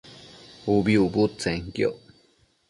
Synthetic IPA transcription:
ubjubut͡sɛŋkjo̰ʔ

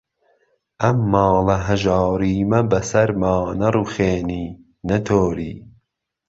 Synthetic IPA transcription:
ʔɐmːɑːlɐɦɐʒɑːɾiːmɐbɐsɐɾmɑːnɐruxeːniː | nɐt̪ʰoːɾḭː

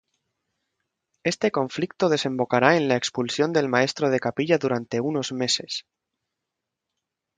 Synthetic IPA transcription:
e̞st̪e̞kõ̞ɱflik̚t̪o̞ð̞e̞sẽ̞mbo̞kaɾaenlaekspulsjo̞nd̪e̞lmae̞st̪ɾo̞ð̞e̞kapiʎaðuɾant̪e̞uno̞zme̞se̞s

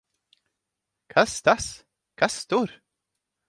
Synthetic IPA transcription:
kʰast̪as | kʰast̪uɾ

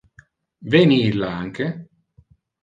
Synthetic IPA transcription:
venilaaŋke

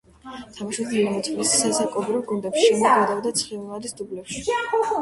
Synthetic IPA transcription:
t̪ʰamaʃubilimɔt̪sʼvlissːasakʼɔbɾivɡund̪ɛpʃiɛmɔɡad̪avd̪at̪sʰχilˠnˠad̪isd̪ublɛpʃi

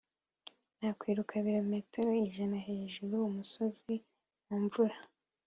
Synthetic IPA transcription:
nhakwiːɾukʰaβiɾome̞ːteɾo̞iʒanaɦeːʒuɾuumuso̞zi | muɱvuɾa

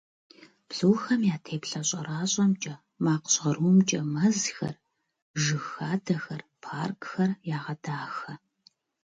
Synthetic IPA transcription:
b̥ɮuːxɐmjaːtʰeːpɬɐɕʼɐraːɕʼɐmt͡ʃʼɐ | maːqɕʁɐruːmt͡ʃʼɐmɐzxɐ̰r | ʒɨxaːdɐxɐrpʰaːrkxɐrjaːʁɐdaːxɐ

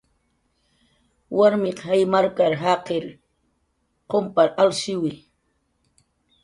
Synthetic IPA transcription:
wʔaɾmɪqhajmaɾkaɾɦaqeɾ | qompaɾalʃɪwɪ

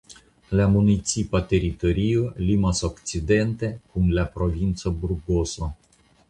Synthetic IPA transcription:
leamunit̪sipat̪eɾit̪oɾijəlimasokt͡ʃid̪ent̪e̞kumlʲapɾovint̪səburɡoso

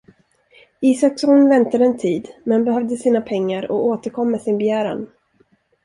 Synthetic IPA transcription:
iːsaksɔnvɛnt̪ad̪əɛnt̪ʰiːd̪mɛnbɛɦœvd̪əsiːnapʰɛŋːaɾɔ̰oːt̪əɾkʰɔmːɛsɪnbɛjæːɾa̰n

